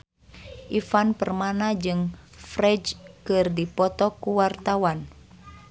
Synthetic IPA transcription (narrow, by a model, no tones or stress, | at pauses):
ʔifanpərmanad͡ʒɨŋfrɛd͡ʒkɨrdipɔt̪ɔkuwart̪awan